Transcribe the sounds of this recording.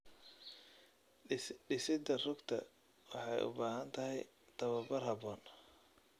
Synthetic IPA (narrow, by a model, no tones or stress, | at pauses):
ɖɪsɪd̪ɐrʊɡt̪ʰɐ̰ | wɑħɑjʔʊ̰baːɦɐnt̪ʰɐɦɛj | t̪ʰɐβɐbɐrɦɐbɔːn